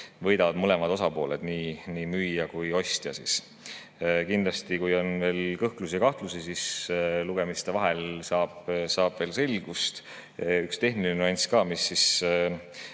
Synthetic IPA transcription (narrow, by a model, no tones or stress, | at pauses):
vɤ̞jd̪ɑvɑd̪̥mɤle̞mɑd̪o̞sɑpo̞ːle̞d̪̥niːniːmyjːɑkujo̞st̪jɑ̰sis | kind̪lɑst̪ikujo̞nve̞ːlkɤhklus̬iɑkɑht̪lusisisluɡ̥e̞mist̪e̞vɑɦelsɑːb̥sɑːb̥ve̞ːlse̞lʲɡ̥ust̪ | ykst̪e̞ɦnilenuɑnʲt̪skɑːmisːis